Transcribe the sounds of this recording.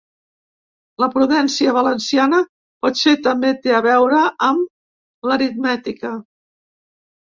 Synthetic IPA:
ləpɾuðɛnsiəβələnsianə | pɔt̪set̪əmbet̪eəβɛwɾəʔːm | ləɾit̪mɛt̪ikə

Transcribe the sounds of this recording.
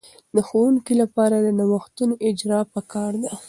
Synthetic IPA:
d̪əxowuŋkilapɑɾad̪ənawəxt̪unoʔɪd͡ʒɾɑpəkɑɾd̪a

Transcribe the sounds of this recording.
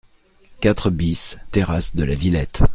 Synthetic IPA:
kʲat̪χəbist̪eʁasd̪əlavilɛt̪

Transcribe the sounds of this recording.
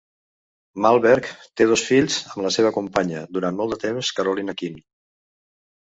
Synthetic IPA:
malˠβɛɾkt̪eð̞ɔsfiʎzəmləseβ̞əkumpaɲəd̪uɾanmɔlˠd̪ət̪emskəɾulinəkin

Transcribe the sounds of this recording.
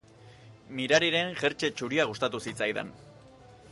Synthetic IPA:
miɾaɾiɾe̞ŋʝe̞ɾt͡ʃe̞t͡ʃuɾiaɣ̞ust̪at̪usit͡sajðḛn

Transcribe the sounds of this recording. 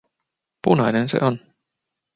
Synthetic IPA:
punajnensḛʔɔn

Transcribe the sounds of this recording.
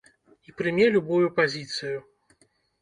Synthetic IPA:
ipɾɨmʲɛlʲubujupazʲit̪sɨju

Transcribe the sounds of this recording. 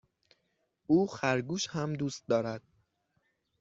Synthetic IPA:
ʔuːxæɾɡuːʃhæmd̪uːst̪̚d̪ɒːɾæd̪̥̚

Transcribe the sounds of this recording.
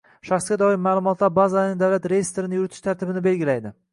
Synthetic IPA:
ʃaχsɡʲad̪ɒɪmːaːlˠʊmɒt̪ʰlaɾbazalaɾnɪd̪awlat̪ɾe̞jest̪eɾɪnɪjʊɾɪt̪ʰɪʃt̪ʰaɾt̪ɪbɪnɪbe̞lɡʲɪlajd̪ɪ

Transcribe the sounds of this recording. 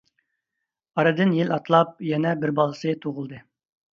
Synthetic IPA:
ɑɾɨd̪ɨnjilɑt̪lˠɑp̚jɛnɛbɪɾbɑlˠɨsɨt̪ʰoʁʊlˠd̪ɨ

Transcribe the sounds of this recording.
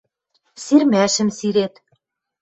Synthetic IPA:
sirmæʃɘ̆msiɾet̪

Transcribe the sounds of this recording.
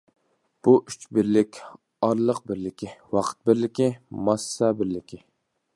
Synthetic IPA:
b̥uʔyt͡ʃbɪɾlɪkʲ | ɑɾlˠəq̚bɪɾlɪkʲʰiwɑqʰə̥t̪̚bɪɾlɪkʲimɑsːɑbɪɾlɪkʲʰi

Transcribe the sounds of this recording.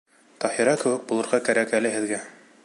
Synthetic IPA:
t̪ɒhiɾɑkɘ̆wɘk̚bulˠɤ̆ɾʁɑkæɾækælɘ̆ɦɘ̆ðɡæ

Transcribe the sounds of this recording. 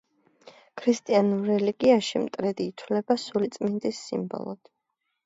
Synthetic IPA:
kʰɾist̪ʼianuɾːɛliɡiaʃimt̪ʼɾɛd̪iːt̪ʰwlɛbasulit̪sʼmind̪isːḭmbɔ̰lˠɔ̰d̪̥

